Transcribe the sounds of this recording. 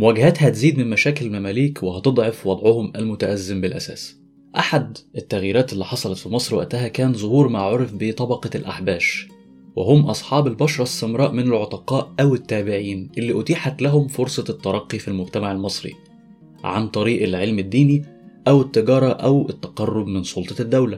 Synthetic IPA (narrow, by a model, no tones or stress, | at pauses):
mwæɡhæt̪hæt̪ziːd̪mɪnmæʃæːkɪllmæmæːliːkwehɑt̪ed̪ˤʕɑfwɑd̪ˤʕohʊmælmʊt̪æʔæzːɪmbɪlʔæ̰sæ̰ːs | ʔaħad̪ʔet̪ːæɣjiːɾæːt̪elːiħɑsˤɑlɑt̪fimɑsˤɾwæ̰ʔt̪æɦækæːnzˤohuːɾmaʕoɾfbet̪ˤɑbɑqɑlʔa̰ħbæːʃ | weɦomʔɑsˤħɑːbelbɑʃɾˤɑsːemɾˤɑːʔmɪnælʕot̪ˤɑqɑːʔʔæwɪt̪ːæːbɪʕiːnʔelːiːʔʊt̪iːħat̪læɦʊmfoɾsˤɑt̪ːɑɾˤɑqːifilmʊɡt̪æmaʕelmɑsˤɾḭ | ʕa̰nt̪ˤɑɾiːʔelʕelmɪd̪ːiːni | ʔæwɪt̪ːɪɡɑːɾˤɑʔæwɪt̪ːæqɑrˤːob̚mɪnsˤolt̪ˤɑd̪ːæwlæ